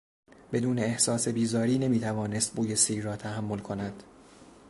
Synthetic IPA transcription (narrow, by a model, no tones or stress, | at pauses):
b̥e̞d̪uːne̞ːhsɒːse̞biːzɒːɾiːne̞miːt̪ʰævɒːnest̪̚buːjesiːrɒːt̪ʰæhæmːo̞lkʰo̞næd̪̥